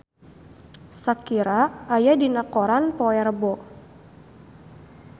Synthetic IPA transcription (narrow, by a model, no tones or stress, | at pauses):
sakiɾaːjadinakoɾanpɔɛrbɔ